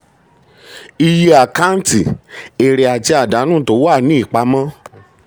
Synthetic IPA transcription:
i˧ji˧˦a˨ka˦n̩˦ti˨e˨ɾɛ˨a˨d͡ʒɛ˧a˨da˨˦nũ˦˨to˨˦wa˦˨nĩ˨˦i˦˨k͡pa˧˦mã˦

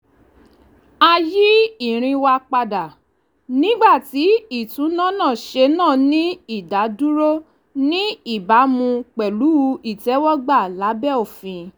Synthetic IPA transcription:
a˧ji˦i˦˨ɾ̃ĩ˧wa˧k͡pa˧da˨ | nĩ˦ɡ͡ba˦˨ti˨˦i˦˨tũ˨˦nã˦˨nã˦˨ʃe˧nãː˦˨nĩ˦i˦˨da˨˦du˦ɾo˦ | nĩ˦i˦˨ba˨˦mũ˧k͡pɛ˨lu˨˦˧i˦˨tɛ˨˦wɔ˦ɡ͡ba˦˨la˨˦bɛ˦o˦˨fĩ˧

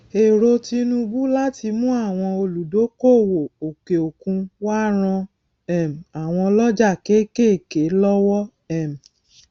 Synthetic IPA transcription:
e˨ɾo˧ti˧nũ˧bu˦la˦ti˧mũ˦a˦˨w̃ɔ̃˧o˧lu˨do˨˦ko˦˨wo˨o˨ke˨o˨kũ˧wa˦ɾ̃ɔ̃˧ | ɛ˦˨m˨a˨w̃ɔ̃˧lɔ˦d͡ʒa˦˨ke˨˦ke˦˨ke˨˦lɔ˦wɔ˦ | ɛ˦˨m̩˨

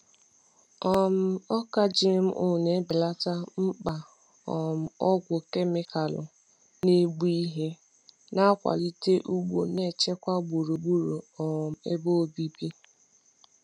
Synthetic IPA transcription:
ɔ˨m̩˦ɔ˦ka˦d͡ʒi˦m̩˦ʔo˦˨ne˨˦bɪ˨la˦ta˦m̩˦k͡pa˨ | ɔ˨m̩˨ɔ˦ɡʷʊ˨ke˦mɪ˦ka˨lʊ̰˨ | ne˦ɡ͡bi˦i˦ɦe˦ | na˦kʷa̰˨li˦te˦ʔu˦ɡ͡bo̰˨ne˨t͡ʃe˦kʷa˦ɡ͡bu˨ɾu˨ɡ͡bu˦ɾo˨ɔ˨m̩˨ḛ˦bo˦˨bi˦bi˦

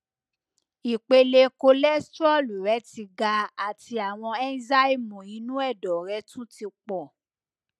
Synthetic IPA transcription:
i˨k͡pe˧le˧ko˧lɛ˦stɔ˦˨lu˨ɾɛ˨˦ti˧ɡa˧a˨ti˧a˨w̃ɔ̃˧ɛ˦n˦za˦i˦˨mũ˨i˨˦nũ˦ɛ˦˨dɔ˨ɾɛ˧˦tũ˦ti˧k͡pɔ˨

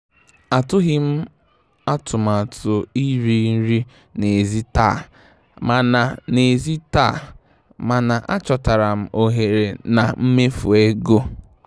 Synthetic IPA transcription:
a˨tʊ˦ɣɪ˦m̩˦ | a˦tʊ˨ma˨tʰʊ˨i˦ɾi˦n̩˦ɾi˦ | ne˨zi˦ta̰ː˦˨ | ma˨na˨ne˨zi˦ta̰ː˦˨ | ma˨na˨ʔa˦t͡ʃɔ˨ta˨ɾa˨m̩˨ʔo˨ɦe˨ɾe˨na˨m̩˦me˦fu˨e˦ɡo˦

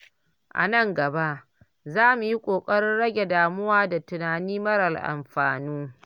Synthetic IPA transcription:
ʔa̰˨nɐ˦˨ŋɡɐ˨ba˦ʔ | zaː˦mu˨ji˦kʷʼoː˨kʼɐ˦ɽɪ˦nɽɐ˦ɡʲe˨daː˨mʊ˦waː˦da˨tʊ˨naː˨niː˦mɐ˦ɽɐ˨lʔa̰˨mɸaː˨nuː˦

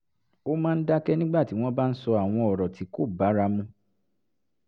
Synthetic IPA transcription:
o˦mãː˦˧n̩˦da˦kɛ˦nĩ˦ɡ͡ba˦˨ti˨˦w̃ɔ̃˦ba˦n̩˦sɔ˧a˨w̃ɔ̃˧ɔ˨ɾɔ˨ti˨˦ko˦˨ba˨˦ɾa˧mũ˧˦

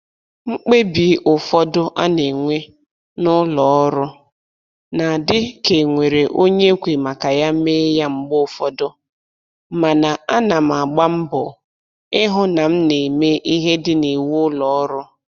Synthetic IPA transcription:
ŋ͡m̩˦k͡pe˦bi˨˦ʔʊ˨fɔ˦dʊ˦ʔa˦ne˨ŋʷe˦ | nʊ˦lɔ˨˦ɔ˦ɾʊ˦ | na˨dɪ˦ke˨ŋʷe˨ɾe˨ʔo˦ɲe˦kʷe˨ma˨ka˨ja˦me˦ja˦ŋ͡m̩˦ɡ͡bʊ˦˨fɔ˦dʊ˦ | ma˨na˨a˦na˨m̩˨a˨ɡ͡ba˦m̩˦bʊ˨ | ɪ˦ɦʊ˦na˨m̩˦ne˨me˦ʔi˦ɦe˦dɪ˦ni˨wu˦ʊ˦lɔ˨ɔ˦ɾʊ˦

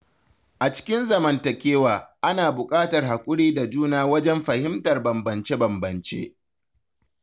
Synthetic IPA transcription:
ʔa˨t͡ʃɪ̥˦kʲɪ˦nzɐ˨mɐ˨ntɐ˨kʲeː˦waː˨ʔa˦naː˨bʊ˨kʼaː˦tɐ˨rha˨kʷʼʊ˦ɽiː˦da˨d͡ʒuː˦naː˦wɐ˦d͡ʒɛ˦mɸɐ˨hɪ˦mtɐ˨rbɐ˨mbɐ˨nt͡ʃe˦bɐ˨mbɐ˨nt͡ʃḛː˦ʔ

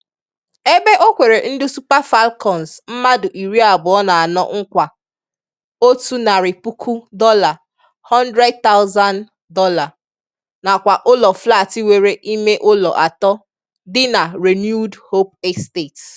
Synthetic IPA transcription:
e˦be˦ʔo˦kʷe˨ɾe˨n̩˦dʊ˦su˦pa˦fa˦lkɔ˨n˨zm̩˦ma˦dʊ˨ʔi˨ɾi˦a˨bʊ˨ɔ˦na˨a˨nɔ̰˦ŋ̩˦kʷa˨ | o˦tu˦na˨ɾɪ˨pu˦kʰu˦dɔ˦la˨ | hɔ˦ndɾe˦d̚t̪a˦ʊ˦za˦n | dɔ˦la˨ | na˨kʷa˨ʔʊ˦lɔ˨fla˦˨ti˦we˨ɾe˨ʔi˦me˦ʔʊ˦lɔ˨ʔa˨tɔ˦ | dɪ˦na˨ɾe˨nju˦dho˦p̚ɛ˦ste˦˨t

